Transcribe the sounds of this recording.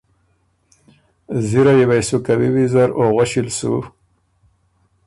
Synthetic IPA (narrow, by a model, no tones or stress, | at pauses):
ziɾajewajsukawiwizaɾoɣwaʃilsṵ